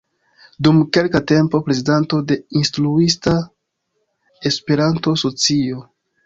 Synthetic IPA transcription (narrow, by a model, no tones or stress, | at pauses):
dumke̞lkate̞mpo̞pɾe̞zidantode̞instɾuista | e̞spe̞ɾanto̞so̞t͡sio̞